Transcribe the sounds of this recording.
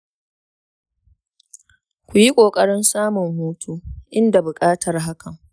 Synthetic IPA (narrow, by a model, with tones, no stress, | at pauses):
kʷu˨ji˦kʷʼoː˨kʼɐ˦ɽɪ˦nsaː˦mʊ˨ŋhuː˦tʰuː˦ʔɪ˦nda˨bʊ˨kʼaː˦tʰɐ˨rɦa˦kɐ˨ŋ